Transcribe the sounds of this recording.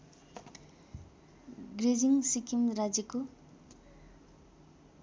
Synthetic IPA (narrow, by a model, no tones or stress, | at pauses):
ɡɾed͡ʒiŋsikimɾad͡ʒiku